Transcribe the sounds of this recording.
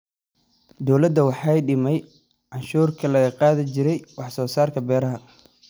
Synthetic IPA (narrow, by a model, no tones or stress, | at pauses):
d̪ɔwlɐd̪ːɐwɑħɑjɖɪmɛj | ʕɑnʃuːrkʰɐlɐɣɐqɑːðɪt͡ʃɪɾɛjwɑħsɔːsaːrkʰɐbɛːɾɐɦɐ